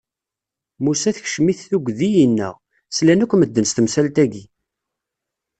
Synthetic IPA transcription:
musæθç̥ʃmiθːuɡʷðijənːə̰ʁ | slænækʷːəməd̪ːənst̪əmsælt̪æɡi

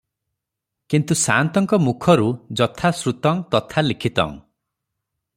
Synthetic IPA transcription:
kint̪usant̪ɔŋkɔmukʰɔɾud͡ʒɔt̪ʰasɾut̪ɔŋt̪ɔt̪ʰalikʰit̪ɔ̰ŋ

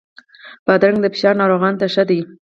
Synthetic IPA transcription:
b̥ad̪ɾaŋɡd̪əfɪ̥ʃɑɾnɑɾoɣɑnt̪aʃad̪ai

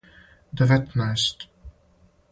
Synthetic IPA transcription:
d̪əvɛt̪nast̪

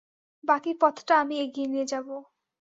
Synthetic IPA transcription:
bakipɔt̪ʰʈaamieɡienied͡ʑabo

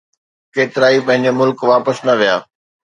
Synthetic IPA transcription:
keːt̪ɪɾaːipɐ̃ɦɪ̃ɲd͡ʑomʊlkʋaːpəsnɐʋijaː

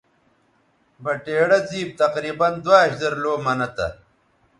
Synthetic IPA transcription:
bɐʈeːɽɐziːb̚t̪ɐqɾiːbɐnd̪waɐɕd̪ɐɾloːmɐnɐt̪ɐ̰

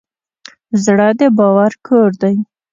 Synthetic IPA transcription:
zɽəd̪əbɑwaɾkʰoɾd̪aj

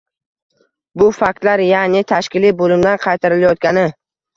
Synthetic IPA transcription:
bʊfak̚ʲt̪laɾjanɪt̪ʰaʃkʲɪlibolɪmd̪anqʰɑjt̪ʰaɾɪlajɒt̪̚kʲanɪ

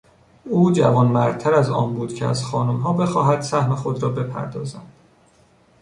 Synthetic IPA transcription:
uːd͡ʒæ̰vɒːnmæɾd̪̚t̪ʰæɾæzɒːnbuːd̪̥cʰeæ̰z̥xɒːnomɦɒːbe̞xɒːɦæd̪̥sæhme̞xod̪ɾɒːbe̞pʰæ̰ɾd̪ɒːzænd̪̥

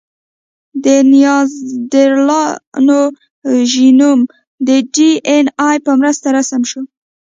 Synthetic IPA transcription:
d̪ənijɑzd̪eɾlɑno | ʒinum | d̪əɖienɑjpəmɾəst̪aɾasamʃo

